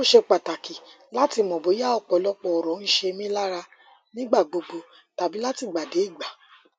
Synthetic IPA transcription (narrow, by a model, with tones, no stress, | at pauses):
o˦ʃe˧k͡pa˨ta˨ki˨ | la˦ti˧mɔ̃˨bo˨˦ja˦ɔ˧˨k͡pɔ˨lɔ˦k͡pɔ˧ɔ˨ɾɔ̃˨˦n̩˦ʃe˧mĩ˦la˦ɾa˧ | nĩ˦ɡ͡ba˦˨ɡ͡bo˧ɡ͡bo˧ | ta˨bi˨˦la˦ti˦˨ɡ͡ba˨de˨˦i˦˨ɡ͡ba˨